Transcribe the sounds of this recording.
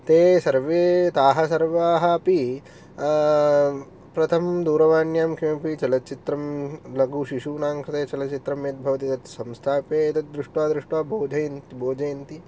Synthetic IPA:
t̪eːsɐɾʋeːt̪aːɦɐsɐɾʋaːɦɐɐpi | pɾɐt̪ʰɐmd̪uːɾɐʋaːnjaːmkʰimɐpit͡ʃɐlɐt̪t͡ʃit̪ɾɐmlɐɡuːʃiʃuːnaːŋkʰɾɐt̪eːt͡ʃɐlɐt͡ʃit̪ɾɐmjeːt̪̚bʱɐʋɐt̪it̪ɐt̪sɐ̃mst̪ʰaːpeːɐt̪ɐt̪̚d̪ɾuʂʈʋaːd̪ɾuʂʈʋaːbʱoːd͡ʒʱɐjnt̪ibʱoːd͡ʒɐjnt̪i

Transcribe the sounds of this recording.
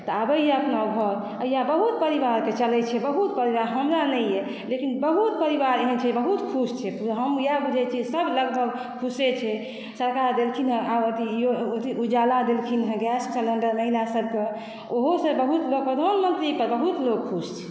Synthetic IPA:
t̪ɔabəjeəpnabʱɔɾ | əjabəɦut̪̚pəɾiβaɾket͡ʃəlɛt͡ʃʰɛbəɦut̪̚pəɾiβaɾɦəmɾanɛjɛ | lekinbəɦut̪̚pəɾibaɾeɦənt͡ʃʰɛbəɦut̪kʰust͡ʃʰɛpɦəmjabud͡ʒʱɛt͡ʃʰisəbʱləɡbʱəɡ | kʰuset͡ʃʰɛ | səɾkaɾd̪elkʰinɦə̃aot̪ijoot̪iʔud͡ʒalad̪elkʰinɦə̃ɡɛssələɳɖəɾməɦilasəb̚ke | oɦosə̃bəɦut̪loɡ̚pɾəd̪ʱanmənt̪ɾipəɾbəɦut̪lok̚kʰːust͡ʃʰɛ̥

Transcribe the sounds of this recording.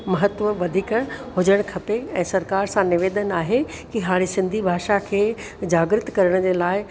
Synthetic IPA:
mɐɦət̪ʋəʋɐd̪ʱiːkəɦʊd͡ʑəɽ̃kʰɐpeɛ̃ːsɐɾkaːɾsãnɪʋeːd̪ənaːɦe | kiɦaːɽ̃isɪ̃nd̪ʱibʱaːʃakʰeː | d͡ʑaːɡɾɪt̪kɐɾəɽ̃d͡ʑeːlaːɪ

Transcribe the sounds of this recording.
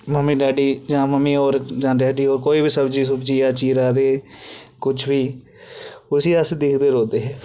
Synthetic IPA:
məmiːɖaːɖiːd͡ʒãːməmːiːoːɾd͡ʒãːɖaːɖiːoːɾkoːiːbiːsəbd͡ʒiːsəbd͡ʒiːjãːt͡ʃiːɾaːd̪eːkʊt͡ʃʰʋiː | ʊsiːəsd̪ɪkʰd̪eːɾoːd̪eːɦɛː

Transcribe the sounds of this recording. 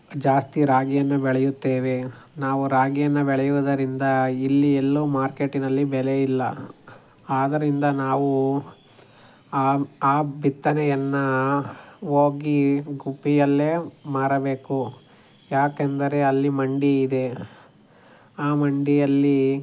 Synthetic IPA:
d͡ʒaːst̪iɾaːɡijɐnːɐbɛɭɐjut̪ːeːʋe̞ | naːʋuɾaːɡijɐnːɐbɛɭɛjuʋɐd̪ɐɾind̪ɐilːielːumaːɾke̞ʈinɐlːibɛlejilːɐ̰ | aːd̪ɐɾind̪ɐnaːʋu | aːbʱit̪ːɐnɛjɐnːɐ | ɦoːɡiɡubijɐlːe̞ːmaːɾɐbe̞ːku | jaːkend̪ɐɾe̞ɐlːimɐɳɖiːd̪e̞ | aːmɐɳɖijɐlːi

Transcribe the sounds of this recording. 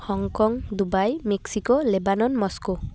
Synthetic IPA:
hɔŋkɔŋd̪ubajmeksikolebanɔnmɔsko

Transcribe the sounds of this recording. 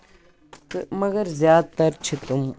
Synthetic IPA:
mɐɡəɾzjaːd̪̚t̪ɐɾt͡ʃʰit̪ʊm

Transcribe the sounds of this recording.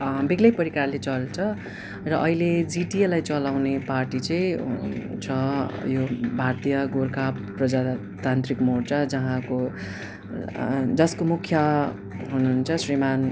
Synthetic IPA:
biɡlʌjpʌɾikarlet͡sʌlt͡sʰʌ | rʌʔʌiled͡ziʈielajt͡sʌlawneparʈit͡sʌĩ | t͡sʰʌjobʱart̪ijʌɡorkapprʌd͡za | t̪ant̪rikmort͡sad͡zʌɦãko | d͡zʌskomukʰjʌ | ɦunuɦnt͡sʰʌsriman

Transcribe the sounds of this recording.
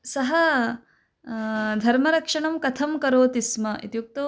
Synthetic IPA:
sɐɦɐ | d̪ʱɐɾmɐɾɐkʂɐɳɐmkɐt̪ʰɐmkɐɾoːt̪ismɐʔḛt̪juk̚t̪ɐ

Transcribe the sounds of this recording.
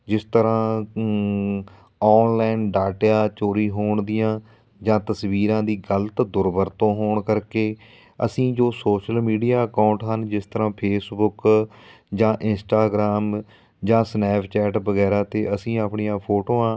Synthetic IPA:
d͡ʒɪst̪əɾãː | ɔːnlaːnɖaːʈjaːt͡ʃoːɾiːɦoːɳd̪ɪjãː | d͡ʒãːt̪əsʋiːɾãːd̪iːɡələt̪d̪ʊɾbəɾt̪õːɦoːɳkəɾkeː | ə̰sĩːd͡ʒoːsoːʃəlmiːɖijaːəkaːʊ̃ɳʈɦənd͡ʒɪst̪əɾãːpʰeːsbʊk | d͡ʒãːʔɪnsʈaːɡɾaːm | d͡ʒãːsnɛːpʰt͡ʃɛːʈbəɡɛːɾaːt̪eːəsĩːaːpɳijãːpʰoːʈõːãː

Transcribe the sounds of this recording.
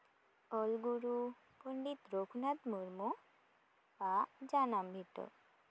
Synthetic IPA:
ɔlɡuɾu | pɔɳɖit̪ɾokʰunat̪mɔɾmɔ | pad͡ʒanambʱiʈɔ̰

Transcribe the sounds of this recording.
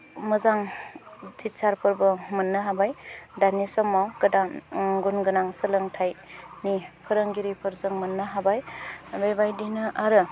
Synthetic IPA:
məzaŋ | zit̚saɾpʰɯɾbɯmɯnːɯɦabajdanisɔmːawkɯdaɡunɡɯnaŋsɯlɯŋtʰajnipʰɯɾəŋɡiɾipʰɯɾzɯŋmɯnːɯɦabajbajbajdinɯʔaɾɯ

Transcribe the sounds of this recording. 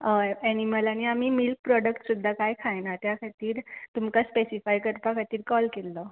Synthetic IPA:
əɛñiməlaniam̤iːmilk̚pɾɔɽəkʈsud̪ʱːakajkʰajnat̪jakʰat̪iːɾt̪umkaspesifajkəɾpakʰat̪iːɾkɔlkelːɔ

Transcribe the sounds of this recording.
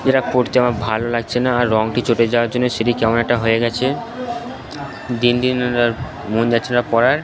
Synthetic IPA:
d͡ʑeʈapoɾt̪eamabʱalolaɡ̚t͡ɕʰenaːɾːɔŋʈit͡ɕʰoʈed͡ʑaoaɾd͡ʑonːoʃeʈikɛmonoɛk̚ʈaɦojeɡɛt͡ɕʰe | d̪ind̪inaɾ | mund͡ʑatːʰenapɔɾaɾ

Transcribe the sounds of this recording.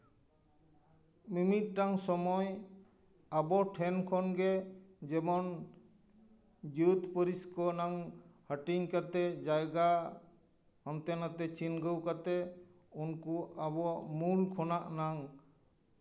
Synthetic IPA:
mimit̪̚ʈaŋsɔmɔj | abɔʈʰɛnkʰɔnɡɛd͡ʒɛmɔn | d͡ʒut̪pəɾiskɔnaŋhəʈiɲkat̪ɛd͡ʒajɡa | hɔnt̪ɛnat̪ɛt͡ʃinɡəwkat̪ɛ | unkuabɔmulkʰɔnaʔnaŋ

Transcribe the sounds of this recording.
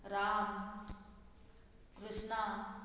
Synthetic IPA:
ɾaːm | kɾɪʃna

